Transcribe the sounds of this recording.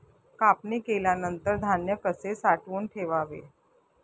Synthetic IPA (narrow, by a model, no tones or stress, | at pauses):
kapniːkeljanənt̪əɾd̪ʱanjəkəsesaʈʋuːnʈʰeʋaʋḛ